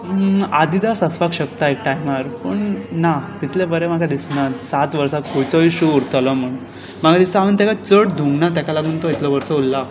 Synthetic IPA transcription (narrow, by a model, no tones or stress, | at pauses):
ad̪id̪asəsʰʋakɕək̚t̪aek̚ʈajmaɾpəɳnat̪it̪ʰlebəɾemaɡad̪isnasat̪ʋəɾsakʰujt͡səiɕuuɾt̪ələm̤əɳ | maɡʱad̪ist̪aaʋənt̪akat͡səʈd̪ʱũŋɡnat̪̬jakalam̤əɳt̪oit̪lɔʋəɾsəulːa